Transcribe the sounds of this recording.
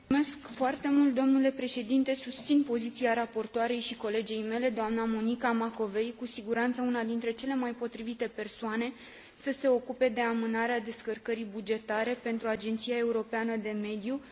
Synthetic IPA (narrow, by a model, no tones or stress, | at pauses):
ume̞skfoart̪e̞mult̪̚d̪o̞mnule̞pɾe̞ʃe̞d̪int̪e̞sust̪sinpo̞zit̪siaɾapo̞rt̪oaɾe̞jʃiko̞le̞d͡ʒejme̞le̞d̪oamnamo̞nikamako̞ve̞jkusiɡuɾant̪səunad̪int̪ɾe̞t͡ʃe̞le̞majpo̞t̪ɾivit̪e̞pe̞rsoane̞ | səse̞o̞kupe̞d̪e̞amɨnaɾead̪e̞skərkəɾijbud͡ʒe̞t̪aɾe̞pe̞nt̪ɾuad͡ʒe̞nt̪sijae̞uɾo̞peanəd̪e̞me̞d̪ju